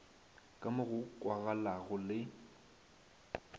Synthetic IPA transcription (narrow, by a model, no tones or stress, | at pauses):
kʼamʊɣʊkʼwaɣalaɣʊlɪ